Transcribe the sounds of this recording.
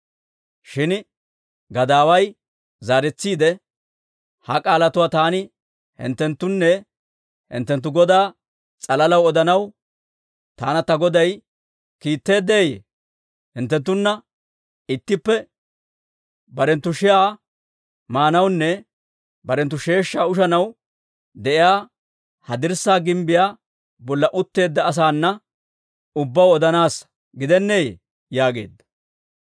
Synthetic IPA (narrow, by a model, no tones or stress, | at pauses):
ʃɪn | ɡɐd̪aːwɐj | zaːɾɛt͡sːiːd̪ɛ | hɐkʼaːlɐt̪ʊwaːt̪aːnɪ | hɪ̰nt̪ːɛnt̪ːʊnːɛ | hɪ̰nt̪ːɛnt̪̬ːʊɡɔd̪aː | t͡sʼɐlɐlɐwɔd̪ɐnɐw | t̪aːnɐt̪ɐɡɔd̪ɐj | kiːt̪ːe̞ːd̪eːjḛː | hɪnt̪ːɛnt̪ːʊnːɐ | ɪt̪ːɪpːɛ | bɐɾɛnt̪ːʊʃɪjaː | maːnɐwnːɛ | bɐɾɛnt̪̬ːʊʃe̞ːʃːaːʊʃɐnɐw | d̪ɛʔɪjaː | hɐd̪ɪɾsaːɡɪmbɪjaː | bɔlːɐʔʊt̪ːe̞ːd̪ːɐːs̬aːnːɐ | ʊbːɐwɔd̪ɐnaːs | ɡɪd̪ɛnːeːjḛ | jaːɡe̞̰ːd̪ːɐ̥